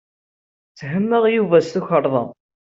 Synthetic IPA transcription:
t͡sːɦəmːəʁjuvæsθuçəɾˤðˤə

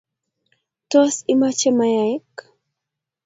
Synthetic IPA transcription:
t̪uasimat͡ʃemajaik

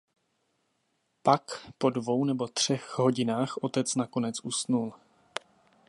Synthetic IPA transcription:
pakpo̞dvo̞wnɛbo̞t̪r̝̥ɛxɦo̞ɟɪnaːxʔo̞t̪ɛt͡snako̞nɛt͡sʔusnul

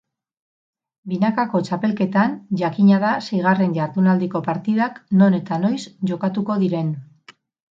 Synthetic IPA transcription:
binakako̞t͡ʃape̞lke̞t̪anʝakiɲaðase̞jɣ̞are̞nʝaɾðunald̪iko̞paɾt̪iðakno̞ne̞t̪ano̞jsʝo̞kat̪uko̞ð̞iɾe̞n

